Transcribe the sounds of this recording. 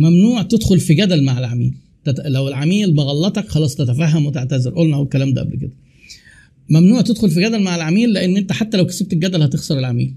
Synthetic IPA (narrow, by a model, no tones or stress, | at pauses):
mæmnuːʕt̪ed̪xolfiɡæd̪ælmaʕelʕamḭːl | t̪ælæwelʕamiːlbeɣɑlːɑt̪ˤɑkxɑlˤɑːsˤt̪æt̪æfæɦːæmwet̪eʕt̪æzeɾʔolnæhowekːælæːmd̪æ̰ʔæblked̪æ | mæmnuːʕt̪ed̪xolfiɡæd̪ælmaʕelʕamiːlːeʔenːʔent̪æħat̪ːælæwke̥seb̚t̪elɡæd̪ælhæt̪exsˤɑɾˤelʕamḭːl